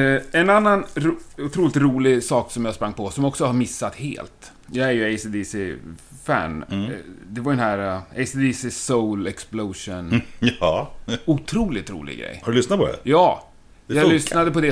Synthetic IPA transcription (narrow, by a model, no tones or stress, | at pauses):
ɛnanːanɾʊt̪ʰɾuːlɪt̪ɾuːlɪɡsɑːksɔmjaspɾaŋːpʰɔsɔmjɔksɔhaɾmɪsːat̪hḛːlt̪ | jɑːɡæɾjɵeɪsid̪isɪfæ̰ɳ | d̪ɛvaɾd̪ɛnɦæɾeɪsid̪isɪsolɛksploːʂʊnː | ʊt̪ʰɾuːlɪt̪ɾṵːlɪ̰ɡɾɛ̰jːhadɵlʏsnat̪pɔd̪ɛ̰jɑː | jɑlʏsnad̪əpɔd̪ɛ